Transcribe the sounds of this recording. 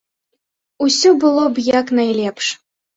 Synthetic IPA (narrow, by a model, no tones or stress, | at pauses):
usʲɔbɨlˠɔbjaknajlʲɛpʂ